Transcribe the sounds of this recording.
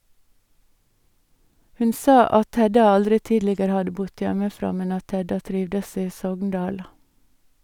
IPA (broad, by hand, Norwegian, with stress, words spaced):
ˈhʉn ˈsɑː ˈɑt ˈhɛdɑ ˈɑldɾɪ ˈtiːdlɪɡəɾə ˈhɑdə ˈbʊd ˈjɛməˌfɾɑː ˈmɛn ˈɑt ˈhɛdɑ ˈtɾɪʋdəs ˈiː ˈsɔɡŋˌdɑːl